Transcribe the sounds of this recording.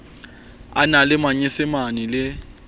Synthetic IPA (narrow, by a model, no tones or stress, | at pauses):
a̰nalɪmaɲɪsɪmanɪlɪ